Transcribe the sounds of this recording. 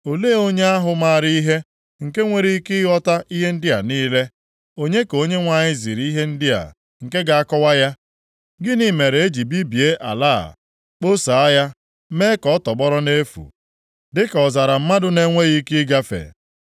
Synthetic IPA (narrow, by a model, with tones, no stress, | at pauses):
o˨leː˦o˦ɲe˦a˦ɦʊ˨ma˦˨ɾi˦i˦ɦe˦ | ŋ̩˨ke˦ŋʷe˨ɾi˦kɪ˦ɣɔ˦ta˦ʔi˦ɦe˦n̩˦dɪ˦a˨niː˦le˦ | o˦ɲe˦ko˦ɲe˦ŋʷa˨ɲɪ˦zi˨ɾi˦ɦe˦n̩˦dɪ˦a̰˨ | ŋ̩˨ke˦ɡa˨a˦kɔ˦wa˦ja˦ | ɡɪ˦ni˦me˨ɾe˨e˦d͡ʒi˨bi˦bi˨e˦ʔa̰˨la̰ː˦˨ | k͡po˦sa˨a˦ja˦ | me˦kɔ˦tɔ˨ɡ͡bɔ˦ɾɔ˦ne˦fṵ˨ | dɪ˦kɔ˨za˨ɾa˨m̩˦ma˦dʊ˦ne˦ŋʷe˦ɣi˦kɪ˦ɡa˦fḛ˨